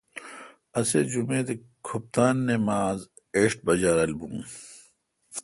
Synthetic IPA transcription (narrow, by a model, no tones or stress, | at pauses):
ɐsed͡ʑumeːd̪e | kʰup̚t̪aːnːemaːz | eːɕʈ̚bɐd͡ʑaːɾɐlbṵ̃ː